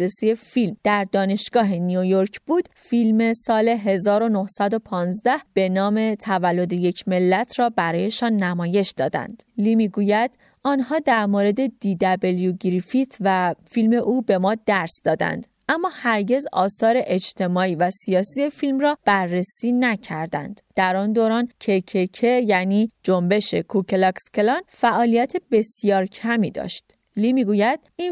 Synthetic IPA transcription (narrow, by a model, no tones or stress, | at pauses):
ɾesie̞filmd̪̥æɾd̪ɒːne̞ʃɡ̥ɒːɦe̞niojoɾcʰbuːd̪̥filme̞sɒːle̞ɦe̞zɒːɾo̞nohsæd̪o̞pʰɒːnzd̪æhb̥e̞nɒːme̞t̪ʰævælːo̞d̪eje̞cʰme̞lːæt̪ʰɾɒːbæɾɒːje̞ʃɒːnːæmɒːje̞ʃd̪ɒːd̪æ̰nd̪̥liːmiːɡuːjæd̪̥ | ʔɒːnhɒːd̪æɾmoːɾe̞d̪e̞d̪iːd̪æbeljuɡɾifit̪ʰvæfilme̞ʔuːbe̞mɒːd̪æɾsd̪ɒːd̪æ̰nd̪̥ | ʔæmːɒːhæɾɟe̞zɒ̰ːsɒːɾeʔed͡ʒt̪ʰe̞mɒːiːvæsijɒːsije̞filmrɒːb̥æɾːesiːnæcʰæɾd̪æ̰nd̪̥d̪̥æɾɒnd̪oːɾɒːncʰe̞cʰecʰejæniːd͡ʒombe̞ʃe̞kʰukʰelɒkscelɒnfæʔɒːlijæt̪ʰebe̞sijɒːɾcʰæmiːd̪ɒ̰ːʃt̪ | liːmiːɡuːjæd̪̥̚in